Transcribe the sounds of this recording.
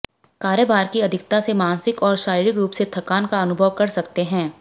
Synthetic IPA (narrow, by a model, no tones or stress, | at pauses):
kaːɾjəbaːɾkiɐd̪ʱɪkt̪asemaːnsɪkɔːɾʃaːɾiːɾɪkɾuːpset̪ʰɐkaːnkaɐnʊbʱəʋkɐɾsɐkt̪eɦɛ̃ː